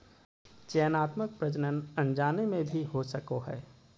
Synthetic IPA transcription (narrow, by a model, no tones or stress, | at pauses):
t͡ʃɛːnaːt̪mək̚pɾɐd͡ʒnənɐ̃nd͡ʒaːnemẽbʱiɦosɐkoɦɛː